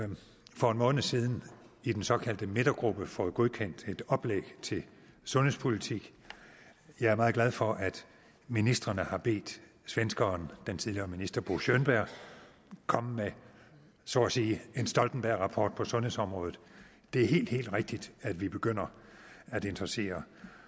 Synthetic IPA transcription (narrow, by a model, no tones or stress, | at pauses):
fɒ̽enmɔ̽ːnð̩siːð̞ˠn̩ | id̥ensɒ̽kʰæl̰d̥əmed̥ɐɡ̥ʁub̥əfɒːð̩ˠɡ̥o̝ð̞ˠkʰen̰d̥e̝d̥ɒ̽b̥leɡ̥t͡sʰe̝lsɔ̽nhe̝spʰo̝lit͡sʰiɡ̥ | jɑ̈ɪæɐmɑ̈ːð̞̩ˠɡlæð̞ˠfɒ̽ʔæd̥ | minisd̥ʁɐnəhɑ̈b̥e̝̰ːd̥ | sʋensɡ̥ɐnd̥ent͡sʰiðˠliɐːminisd̥ɐb̥oɕønb̥æɐ̰ | kʰɒ̽m̰me | sɒ̰æsiːe̝nsd̥ɒ̽ld̥n̩b̥æɐ̰ʁɑ̈pʰɒ̰ːd̥̚pʰɒ̽sɔ̽nhe̝̰sɒ̽mʁɔ̽ːð̩ˠ | d̥e̝æɐɦe̝̰ːld̥he̝̰ːld̥ʁeɡ̥̚d̥id̥æd̥ʋib̥e̝ɡ̥øn̰ɐæd̥ee̝nd̥ʁɑse̝̰ːɐ